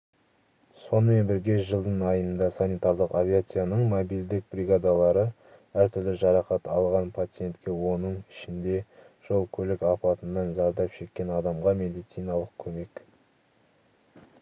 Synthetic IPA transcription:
so̞nəme̞nbɪɾɡʲe̞ʒəlˠd̪əɴɑjənd̪ɑsanijt̪aɾd̪əqavʲiat̪sɨjanəɴmobild̪ɪk̚bɾʲiɡad̪ɑlˠɑɾə | æɾt̪ʰʏɾlɪʒɑɾɑqɑt̪ɑlˠʁɑnpʰat̪sɨje̞nt̪kʲe̞wo̞nəɴɪʃɪnd̪e̞ | ʒ̥o̞lˠkʲʰɵlɪkɑpɑt̪ənːɑnzɑɾd̪ɑpʃe̞kʲːe̞nɑd̪ɑmʁɑme̞d̪ijt̪sijnɑlˠəq̚kʲʰɵme̞k

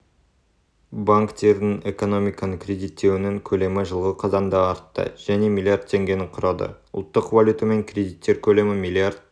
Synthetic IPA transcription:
baŋkt̪e̞ɾd̪ɪŋe̞ko̞no̞mijkɑnəkʲʰrʲe̞d̪ijt̪ːe̞wɪnɪŋkʲʰɵle̞mɪʒəlˠʁəzqʰɑzɑnd̪ɑɑɾt̪ːə̰ʒ̥æne̞mʲilʲˠiard̪̚t̪ʰe̞ŋɡʲe̞nɪqʰʊɾɑd̪ə̰ʊ̰lˠt̪ːəqvalʲjut̪ame̞ŋkʲʰɾʲe̞d̪ijt̪ːe̞ɾkʲʰɵle̞mɪmʲilʲiard̪̚

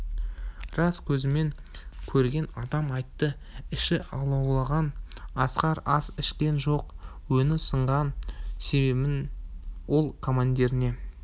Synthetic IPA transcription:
rɑskʲʰɵzɪme̞ŋkʲʰɵɾɡʲe̞nɑd̪ɑmɑjt̪ːə | ɪʃɪʔɑlˠɑwlˠɑʁɑnɑsqɑɾɑsɪʃkʲe̞nʒo̞qwɵnɪsəɴʁɑnse̞βe̞bɪnwo̞lˠkʰomand̪e̞ɾɪne̞

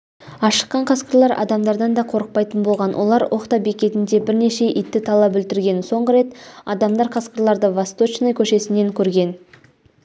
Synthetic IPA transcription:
ɑʃə̥qːɑɴqʰɑskəɾlˠɑɾʔɑ̰d̪ɑmd̪ɑɾd̪ɑnd̪ɑqʰo̞ɾəq̚pɑjt̪ənbo̞lˠʁɑnwʔo̞̰lˠɑɾwʔo̞qt̪ɑbe̞kʲe̞t̪ɪnd̪e̞bɪɾne̞ʃe̞ʔit̪ːɪt̪ʰɑlˠɑpʏlt̪ɪɾɡʲe̞nso̞ɴʁəɾe̞t̪ɑd̪ɑmd̪ɑɾqʰɑsqəɾlˠɑɾd̪əvɑst̪ot͡ʃnojkʲʰɵʃe̞sɪne̞ŋkʲʰɵɾɡʲe̞n

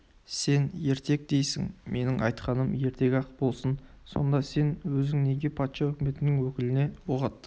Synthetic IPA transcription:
se̞nje̞ɾt̪e̞k̚d̪e̞jsɪ̰ŋme̞nɪŋɑ̰jt̪qɑnəmje̞ɾt̪e̞ɡʲɑqbo̞lˠsən | so̞̰nd̪ɑse̞nwɵzɪŋne̞ɡʲe̞pʰɑt̪ʃɑɵkʲɪme̞t̪ɪnɪŋwɵkʲɪlɪne̞woʁɑt̪ːə̥q

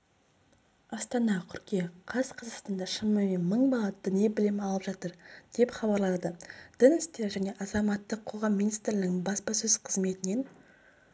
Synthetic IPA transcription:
ɑst̪ɑnɑkʲʰʏɾkʲeqʰɑzqʰɑzəqst̪ɑnd̪ɑʃənməme̞nməɴbɑlˠɑd̪ɪniebɪlemɑlˠəpʒ̥ɑt̪əɾd̪̥e̞pχɑβɑɾlˠɑd̪əd̪̥ənɪst̪eɾʒæne̞ʔɑzɑmɑt̪ːəqʰo̞ʁɑmːijnijst̪ɾɪnɪŋbɑspɑsɵz̥qʰəzme̞t̪ɪne̞n

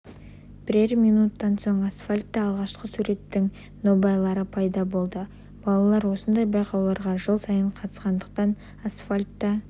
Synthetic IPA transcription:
b̥ɪɾe̞ɾmijnut̪ːɑnso̞ɴasfalʲt̪ːɑːlˠʁɑʃqəsuɾe̞t̪ːɪŋ | no̞bejlˠɑɾəpʰɑjd̪ɑbo̞lˠd̪ə | b̥ɑlˠɑlˠɑɾwo̞sənd̪ɑjbɑjqʰɑwlˠɑɾʁɑʒəlˠsɑjəɴqʰɑt̪ə̥sqɑnd̪əq̚t̪ɑn | asfalʲt̪ːɑ

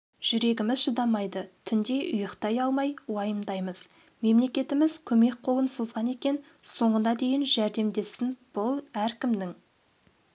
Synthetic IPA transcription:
ʒ̥ʏɾe̞ɡʲɪmɪzʒəd̪ɑmɑjd̪ət̪ʰʏnd̪e̞ʔʊjəqt̪ɑjɑlˠmɑjwɑjəmd̪ɑjməz̥ | me̞mle̞kʲe̞t̪ɪmɪzkʲʰɵme̞k̚ʲqʰo̞lˠənsozʁɑne̞kʲe̞n | so̞ɴənɑd̪e̞jɪnʒæɾd̪e̞md̪e̞sɪnb̥ʊlˠæɾkʲɪmd̪ɪŋ

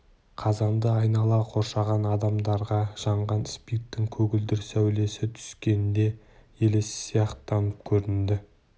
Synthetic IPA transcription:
qʰɑzɑnd̪əɑjnɑlˠɑqʰo̞ɾʃɑʁɑnɑd̪ɑmd̪ɑɾʁɑʒ̥ɑɴʁɑnspijt̪ːɪŋkʲʰɵɡʲɪld̪ɪɾsæwle̞sɪt̪ʰʏ̥skʲe̞nd̪e̞ | je̞le̞sɪ̥sijɑqt̪ʰːɑnəp̚kʲʰɵɾɪnd̪ɪ

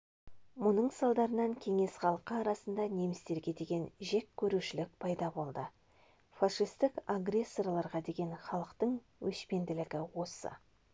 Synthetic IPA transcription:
mʊnəɴsɑlˠd̪ɑɾənɑŋkʲʰe̞ŋe̞sχɑlˠəqəɑɾɑsənd̪ɑne̞mɪst̪e̞ɾɡʲe̞d̪e̞ɡʲe̞nʒe̞kʲʰːɵɾuʃɪlɪk̚pʰɑjd̪ɑbo̞lˠd̪ə | faʂijst̪ɪkaɡrʲe̞sːo̞rlˠɑɾʁɑd̪e̞ɡʲe̞nχɑlˠəqt̪əɴ | wʔɵʃpe̞nd̪ɪlɪɡʲɪwo̞sə̰

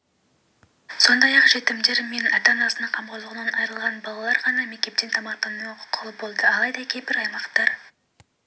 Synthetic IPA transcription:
so̞nd̪ɑjɑqʒe̞t̪ɪmd̪e̞ɾme̞nɑt̪ɑnɑsənɑɴqʰɑmqʰozʁənɑnɑjɾəlˠʁɑnbɑlˠɑlˠɑɾʁɑnɑme̞k̚t̪e̞p̚t̪ːe̞nt̪ʰɑmɑqt̪ɑnɑqʰolˠəbo̞lˠd̪əɑlˠɑjd̪ɑkʲʰejpɪɾɑjmɑqt̪ɑɾ

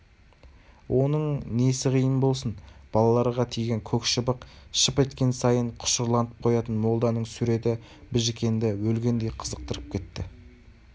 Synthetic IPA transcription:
wʔo̞nəɴne̞sɪqijənbo̞lˠsənb̥ɑlˠɑlˠɑɾʁɑt̪ʰijɡʲe̞ŋkʲʰɵkʃəbəqʃəpe̞t̪kʲe̞nsɑjəɴqʰʊ̥ʃəɾlˠɑnəp̚qʰo̞jɑt̪ənmo̞lˠd̪ɑnəɴsuɾe̞t̪ɪ | bɪʒkʲe̞nd̪ɪwɵlɡʲe̞nd̪e̞jqʰəzəq̚t̪əɾəp̚kʲʰe̞t̪̚ːɪ

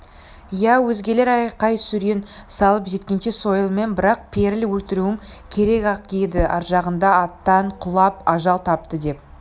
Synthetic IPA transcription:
jæwɵzɡʲe̞le̞ɾɑjqɑjsʏɾensɑlˠəpʒe̞t̪kʲe̞nʃe̞so̞jəlˠme̞nbɪɾɑq̚pʰe̞ɾɪlwɵlt̪ɪɾuɪŋ | kʲʰe̞ɾe̞kɑq̚ed̪ɪʔɑ̰ɾʒɑʁənd̪ɑɑt̪ːɑɴqʰʊlˠɑpɑʒɑlˠt̪ʰɑp̚t̪əd̪e̞p̚

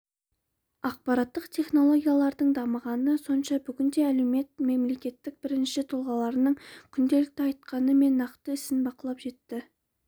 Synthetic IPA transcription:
ɑq̚pɑɾɑt̪ːəqt̪ʰe̞χno̞lˠo̞ɡʲijalˠɑɾd̪əɴd̪ɑməʁɑnəso̞nʃɑbʏɡʲɪnd̪e̞æle̞wme̞t̪̚me̞mle̞kʲe̞t̪ːɪk̚b̥ɪɾɪnʃɪt̪ʰʊlˠʁɑlˠɑɾənəɴkʲʰʏnd̪e̞lɪk̚t̪ɪɑjt̪̚qɑnəme̞nːɑqt̪əɪsɪnbɑqəlˠɑpʒe̞t̪ːɪ

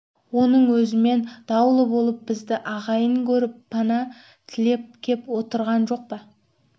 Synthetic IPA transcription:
wo̞nəɴwɵzɪme̞nd̪̥ɑwlˠəbo̞lˠəp̚bɪzd̪ɪʔɑʁɑjəŋkʲʰɵɾɪpːɑnɑ | t̪ʰɪle̞p̚kʲʰe̞pwo̞t̪əɾʁɑnʒo̞q̚pɑ

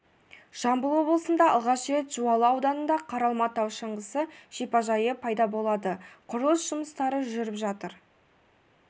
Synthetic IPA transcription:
ʒ̥ɑmbəlˠwo̞blˠəsənd̪ɑɑ̰lˠʁɑʃɾe̞t̪ʒ̥uɑlˠəɑwd̪ɑnənd̪ɑqʰɑɾɑlˠmɑt̪ːɑwʃəɴʁəsəʒ̥epɑʒɑjəpʰɑjd̪ɑbo̞lˠɑd̪əqʰʊɾəlˠəsʒ̥ʊməst̪ɑɾəʒʏɾɪpʒɑt̪əɾ

